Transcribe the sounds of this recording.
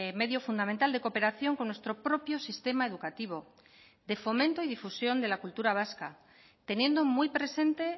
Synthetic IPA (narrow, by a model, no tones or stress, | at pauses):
me̞ðjo̞fund̪ament̪ald̪e̞ko̞pe̞ɾaθjo̞ŋko̞nːwe̞st̪ɾo̞pɾo̞pjo̞sist̪e̞mae̞ðukat̪iβ̞o̞ | d̪e̞fo̞mẽnt̪o̞iðifusjo̞nd̪e̞lakult̪uɾaβ̞aska | t̪e̞nje̞nd̪o̞mujpɾe̞se̞nt̪e̞